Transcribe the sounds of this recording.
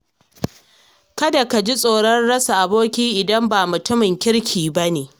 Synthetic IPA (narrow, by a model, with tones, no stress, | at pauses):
kɐ˦da˨ka˨d͡ʒi˦sʼoː˨ɽɐ˦nɽɐ˦sa˨ʔa˨boː˦kʲiː˦ʔɪ˨dɐ˦mbaː˨mʊ˨tʊ˦mɪ˨ŋkʲɪ˦ɽkʲʰiː˨ba˦neː˨